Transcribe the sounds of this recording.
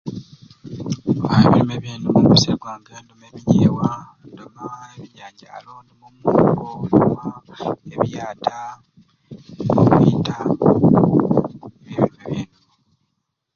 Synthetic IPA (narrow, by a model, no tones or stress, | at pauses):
aeβilimeβiːnumukuiseɡwaːɡeːndomemiɲewandemaeβiɲaːɟaːlonemumuːɡonomaeβjaːtʰa | okitʰa | eβiβilimeβiːnu